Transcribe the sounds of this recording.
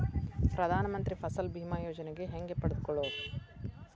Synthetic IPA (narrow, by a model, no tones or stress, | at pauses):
pɾɐd̪ʱaːnɐmɐnt̪ɾipʰɐsɐlbʱiːmaːjoːd͡ʒɐneɡe̞ɦeŋɡe̞pɐɽed̪ukɔɭo